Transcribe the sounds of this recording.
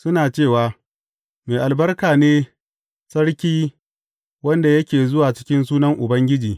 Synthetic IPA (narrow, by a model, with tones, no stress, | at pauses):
sʊ˦naː˨t͡ʃeː˦˨waː˨ | meː˨ʔa˨lbɐ˦rkaː˨neː˦ | sɐ˦ɽkʲiː˦ | wɐ˦nda˨jɐ˦kʲeː˨zʊ˦waː˨t͡ʃɪ̥˦kʲɪ˦nsuː˦nɐ˦ŋʔʊ˨bɐ˦ŋɡʲɪ˦d͡ʒiː˨